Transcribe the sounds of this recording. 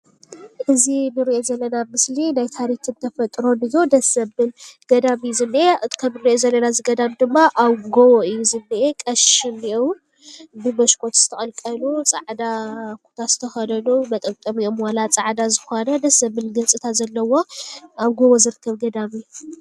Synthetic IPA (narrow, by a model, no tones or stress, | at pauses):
ʔɨzinɨɾiʔo̞zɐlːɐnamɨslinajt̪ʰaɾit̪ʰɨnt̪ʰɐfɐt̪ʼɾo̞nɨjːod̪ɐsɐbɨlɡ̥ɐd̪amijuzɨnːɨʔeɨt̪kʰɐmɨɾiʔozɐlːɐnazɨɡɐd̪amd̪ɨmːaʔaβɡowoɨjːuzɨnːɨʔekʼɐʃɪmiʔow | bɨmɐʃkʼo̞t̪z̥ɨ̥t̪ʰɐxʼɐlkʼɐlut͡sʼa̰ʕd̪akʰu̥t̪ʰaz̥ɨ̥t̪ʰɐxɐd̪ɐnumɐt̪ʼɐmt̪ʼɐmiomwalat͡sʼaʕd̪azɨxonɐd̪ɐsɐbɨlɡɨnt͡sʼɨt̪ʰazɐlːɐwo̞aβɡowozɨɾɨkʰːɐβɡɐd̪amij